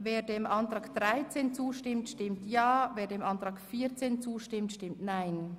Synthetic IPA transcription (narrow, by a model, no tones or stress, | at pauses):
veːdeːmʔɑntʁaːkd̥ʁaɪt͡seːnt͡suːʃtɪmtʃtɪmtjaːveːɐdeːmɑntɾaːkfiːt͡seːnt͡suːʃtɪmtʃtɪmtnaɪn